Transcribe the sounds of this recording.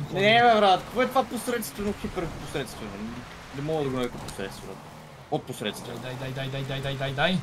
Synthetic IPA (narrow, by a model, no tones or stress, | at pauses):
nnɛvɛvəɾd̪at̪kvoɛt̪vaposɾɛt̪st̪vɐnoxipɛɾposɾɛt̪st̪vɐnɛ | d̪ɛmɔlˠɐd̪ɐɡonɛvɛkoposɾɛt̪st̪vna̰t̪ | ot̪̚posɾɛt̪st̪vajd̪ajd̪ajd̪ajd̪ajd̪ajd̪ajd̪ajd̪aj